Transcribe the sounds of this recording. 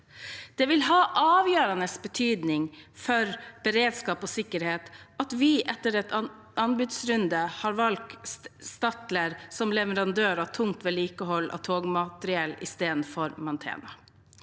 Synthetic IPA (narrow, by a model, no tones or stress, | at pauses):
d̪̥ɛʋɪlɦɑːʔɑːʋjøːɾɑnəsbət̪ʰyːd̪nɪŋfɔɾb̥əɾeːd̪skɑːposɪkːəɾheːt̪ɑt̪ʋɪʔɛt̪ːəɾɛt̪ | ɑnbʉd̪sɾʉnd̪əhɑːɾʋɑlk̚st̪ɑt̪ləɾsɔmlɛʋəɾɑnd̪øːɾɑʋt̪ʰʊŋt̪ʋɛliːkəɦɔlːʔɑ̰t̪ʰoːɡmɑt̪əɾɪɛlːɪ̰st̪eːd̪n̩fɔɾmɑnt̪ʰḛːnɑ